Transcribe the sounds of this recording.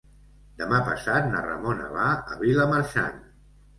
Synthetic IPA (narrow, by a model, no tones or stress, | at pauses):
d̪əmapəsat̪̚nərə̰monə̰βaə̰βiləməɾʃa̰n